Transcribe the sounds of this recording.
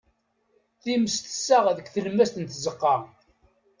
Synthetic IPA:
θiməst̪ə̥sːaʁðəkʷθəlmæst̪ənt̪zəqːɑʁ

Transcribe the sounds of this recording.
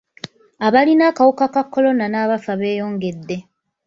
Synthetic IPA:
aβalinaːkawukakakːo̞lo̞nanaːβafaβe̞ːjo̞ːŋɡe̞dːe̞

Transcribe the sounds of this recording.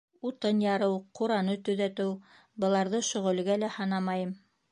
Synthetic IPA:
ut̪ɤnjɑɾɤwquɾɑnɤt̪ɵ̆ðæt̪ɘw | bɤ̆lˠɑɾðɤʃŏʁɵ̆lɡælæhɑnɑmɑjɤm

